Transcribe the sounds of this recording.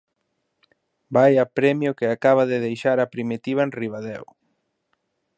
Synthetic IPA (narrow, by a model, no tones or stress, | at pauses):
bajapɾɛmjʊkeakaβ̞aðɪðejʃaɾɐpɾimit̪iβ̞aenriβaðɛw